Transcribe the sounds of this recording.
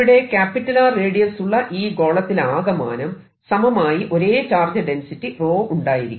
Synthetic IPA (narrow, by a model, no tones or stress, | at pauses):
iɽe̞kaːpːitːɐlaːreːɽijɐsuɭːɐʔiːɡo̞ːɭɐt̪ːilaːɡɐma̰ːnɐm | sɐmɐmaːjiʔo̞ɾe̞ːt͡ɕaːrd͡ʑɐɖensitːiro̞ːuɳɖaːjiɾikʲː